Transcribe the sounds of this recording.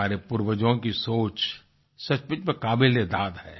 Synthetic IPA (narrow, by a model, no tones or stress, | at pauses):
aːɾepʊɾwəd͡ʒõkisoːt͡ʃ | sɐt͡ʃpɪt͡ʃmẽkaːbɪlːed̪aːd̪ɦɛ̰ː